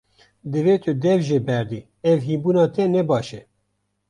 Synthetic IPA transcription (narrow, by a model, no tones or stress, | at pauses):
d̪ɨveːt̪ʰʊd̪ɛvʒeːbɛɾd̪iː | ɛvɦiːbuːnɑːt̪ʰɛnɛbɑːʃɛ